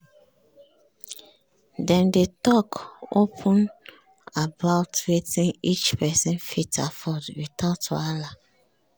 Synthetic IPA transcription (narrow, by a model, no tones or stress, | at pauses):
dɛ̃ndetɔkopʰũn | abaʊtɹetĩnit͡ʃpɛsĩnfitʰafɔdwitʰato̰ala